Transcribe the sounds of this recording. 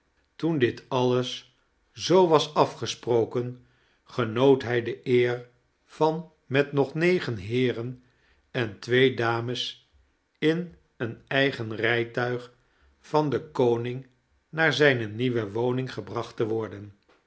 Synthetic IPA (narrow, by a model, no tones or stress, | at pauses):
tundɪtɑləs | zowʋɑsɑfχəsprowkən | χənowtɦɛjdəɪːɹ | v̥ɑn | mɛtnɔχnejχənɦɪːrən | ɛntʋejdaːməs | ɪn | ənɛjχənrɛjtœɥχ | fɑndəkownɪŋ | naːɹzɛjnəniʋəʋownɪŋχəbrɑχtəʋɔɹdən